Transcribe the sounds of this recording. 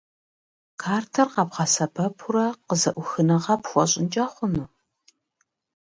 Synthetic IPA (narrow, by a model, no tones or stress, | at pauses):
kʰaːrtʰɐrqɑpʁɑsɐbɐpʰʊɾɐqəzɐʔʷʊxɨnɐʁɑpxʷɔɕʼɪnt͡ʃʼɐχʷʊnu